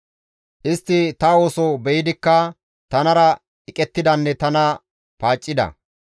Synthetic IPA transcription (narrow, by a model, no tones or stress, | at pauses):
ʔɪst̪ːɪt̪ɐwoːsɔbɛjɪd̪ɪkːɐ | t̪ɐnɐɾɐ | ɪkʼɛt̪ːɪd̪ɐnːɛt̪ɐnɐ | paːt͡ʃʼːɪd̪ɐ̰